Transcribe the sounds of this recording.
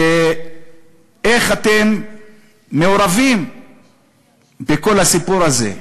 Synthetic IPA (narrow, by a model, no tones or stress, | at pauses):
e | eχat̪e̞mː | eoɾavim | be̞ko̞lhasipuɾaze̞̰